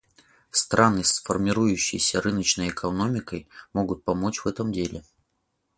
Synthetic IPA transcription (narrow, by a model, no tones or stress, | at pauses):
st̪ɾʔanɨsfərmʲɪɾujʉɕːɪ̰jsʲəɾɨnət͡ɕnəjɛkʰɐno̞mʲɪkəjmo̞ɡʊt̪̚pɐmo̞t͡ɕvɛt̪əmdʲelʲɪ